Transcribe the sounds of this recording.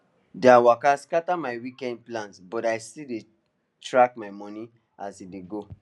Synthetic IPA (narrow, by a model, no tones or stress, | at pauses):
dawakaskatamajwikɛ̃nd̚plãntbɔtajstide | tɹakmaɪmɔ̃nĩ | asideɡo